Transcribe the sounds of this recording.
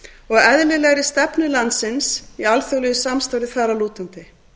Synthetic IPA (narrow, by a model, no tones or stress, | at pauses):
ɔɣɛðlɪlɛɣɾɪst̪ɛpnʏlant̪sɪnsialθjœwlʏjʏsamst̪awɾɪθaɾaluːt̪ʏnt̪ɪ